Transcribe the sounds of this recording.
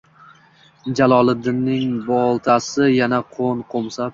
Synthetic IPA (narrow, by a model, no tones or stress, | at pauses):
d͡ʒalˠɒlˠɪd̪ɪnːɪŋbɒlˠt̪ʰasɪjanaqʰonqʰomsap̚